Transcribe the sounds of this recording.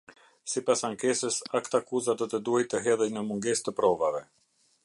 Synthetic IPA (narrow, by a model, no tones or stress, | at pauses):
sipasaŋkɛsəsakt̪akuzad̪ɔt̪əd̪uhajt̪əɦɛðəjnəmuŋɡɛst̪əpɾɔvavɛ